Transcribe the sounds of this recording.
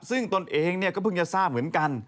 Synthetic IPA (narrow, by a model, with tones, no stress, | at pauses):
sɯ˥˩ŋt̪o˧nʔeː˧ŋni˥˩kɔː˥˩pɯ˧˩ŋt͡ɕa˧saː˥˩p̚mɯ˩˦ənka˧n